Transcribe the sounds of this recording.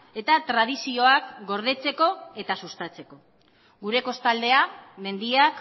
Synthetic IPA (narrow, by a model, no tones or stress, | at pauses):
e̞t̪at̪ɾað̞isio̞akɡo̞ɾð̞e̞t͡se̞ko̞e̞t̪asust̪at͡se̞ko̞ | ɣuɾe̞ko̞st̪ald̪e̞ame̞nd̪iak